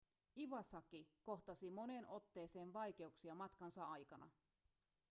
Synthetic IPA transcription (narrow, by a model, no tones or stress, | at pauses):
iʋɑsɑkiko̞ht̪ɑsimo̞ne̞nʔo̞t̪ːe̞ːse̞ːnʋɑjk̟e̞uksiɑmɑt̪kɑnsɑɑjkɑnɑ̰